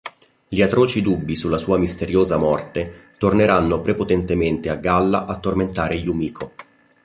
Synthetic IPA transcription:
ʎiat̪ɾoːt͡ʃid̪ubːisulːasuːamist̪eɾjoːzamɔrt̪et̪orneɾanːopɾepot̪ɛnt̪ement̪eaɡːalːaʔat̪ːorment̪aːɾeʎumiːkʰo

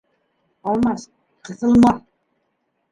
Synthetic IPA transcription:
ɑlˠmɑs | qɤ̆θɤ̆lˠmɑθ

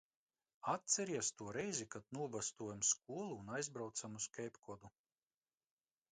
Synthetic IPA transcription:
at̪̚sɛɾiɛst̪uɔɾɛjzikad̪̚nuɔbast̪uɔjamsk̚uɔlˠuːnajzbɾawt̪samuskʲɛjpkɔd̪u

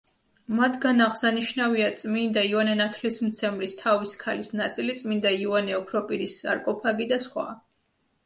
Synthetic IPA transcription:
mat̪ʰɡanaʁszaniʃnaviat̪sʼmind̪aianɛnat̪ʰlismt̪sʰɛmlist̪ʰaviskʰalisnat̪sʼilit̪sʼmind̪aiuanɛɔpʰɾɔpʼiɾisa̰ɾkʼɔpʰaɡid̪asχwa̰

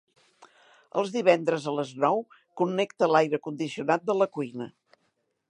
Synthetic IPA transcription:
ə̰lˠzðiβɛnd̪ɾəzələznɔw | kunːɛkt̪əlajɾəkund̪isiunat̪̚d̪ələkuinə

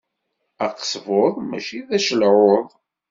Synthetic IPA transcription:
æqːə̥sˤvoðˤmæ̰ʃiðæʃəlʕoðˤ

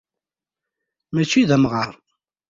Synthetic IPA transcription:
mæt͡ʃːiðæmʁəɾˤ

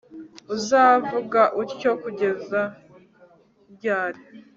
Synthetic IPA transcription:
uzaːvuɡaʔiɾco̞kuɟe̞za | bɟaːɾe

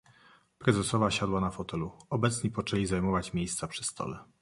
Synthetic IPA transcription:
pɾɛzɛsɔvaɕad̪wanafɔt̪ɛluɔbɛt̪sɲipɔt͡ʂɛlʲizajmɔvat͡ɕmʲjejst̪sapʂɘ̥st̪ʰɔ̰lɛ

